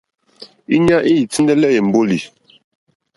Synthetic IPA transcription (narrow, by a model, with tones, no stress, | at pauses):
i˦ɲa˦ʔi˦i˨t͡si˦ndɛ˦lɛ˦je˨m̩˨bo˦li˨